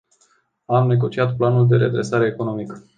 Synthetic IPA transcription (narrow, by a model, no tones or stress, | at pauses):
amne̞ɡo̞t͡ʃiat̪planuld̪e̞ɾe̞d̪ɾe̞saɾe̞ːko̞no̞mik